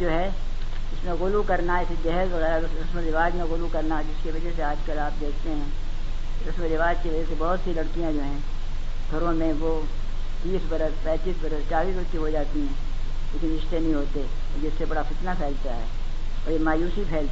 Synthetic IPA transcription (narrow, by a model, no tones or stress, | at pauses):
d͡ʒoːɦɛ | ɪsmẽɣʊlukɐɾnaɪsd͡ʒɛɦɛzʋɐɣɛːɾa | ɾɐsməɾɪʋaːd͡ʒmẽɣʊlukɐɾnaɛd͡ʒɪskeʋɐd͡ʒɛseaːd͡ʒkəlaːp̚d̪eːkʰt̪eɦɛ̃ː | ɾɐsməɾɪʋaːd͡ʒkeʋɐd͡ʒɛsebɐɦʊt̪silɐɽkijãd͡ʒoːɦɛ̃ː | t̪ʰɐɾõmẽʋo | t̪iːsbɐɾəspɛ̃ːt͡ʃiːsbɐɾəst͡ʃaːliːsbəɾkiɦod͡ʒaːt̪iɦɛ̃ | leːkɪnɾɪʃt̪enɐɦĩɦoːt̪e | d͡ʒɪsːebɐɽafɪt̪napʰɛːlt̪aɦɛ̰ː | ɔːɾjemaːjuːsipʰɛːl